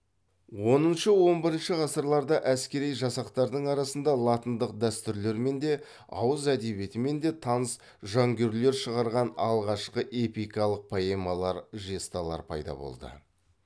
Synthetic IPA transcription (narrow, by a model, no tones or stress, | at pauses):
wo̞nənʃəwo̞mbɪɾənʃəʁɑsəɾlˠɑɾd̪ɑʔæskʲe̞ɾijʒɑsɑqt̪ɑɾd̪əɴɑɾɑsənd̪ɑlˠɑt̪ənd̪əqd̪æst̪ʏɾle̞ɾme̞nd̪e̞ | ɑ̰wəzæd̪e̞be̞t̪ɪme̞nd̪e̞t̪ʰɑnəs | ʒɑŋɡʲe̞ɾle̞ɾʃəʁɑɾʁɑnɑlˠʁɑʃqəʔe̞pijkɑlˠəq̚pʰoemɑlˠɑɾʒest̪ɑlˠɑ̰ɾpʰɑ̰jd̪ɑ̰bo̞̰lˠd̪ə̰